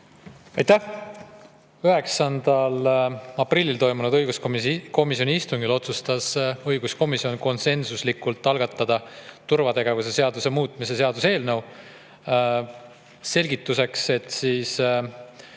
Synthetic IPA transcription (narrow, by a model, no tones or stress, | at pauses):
ɑjt̪æh | yɦe̞ksɑnd̪̥ɑlɑprilʲːilt̪o̞jmunud̪ɤjɡ̥uskko̞misio̞niist̪uŋɡ̥ilo̞t̪sust̪ɑsɤjɡusko̞misionko̞nse̞nsuslikːult̪ˑːɑlɡ̥ɑt̪ːˑɑd̪̥ɑt̪urvɑt̪e̞ɡe̞vuse̞se̞ɑd̪use̞muːt̪ˑmis̬e̞se̞ɑd̪use̞ːlnɤw | se̞lʲɡit̪ːˑuse̞kse̞t̪ːsiːs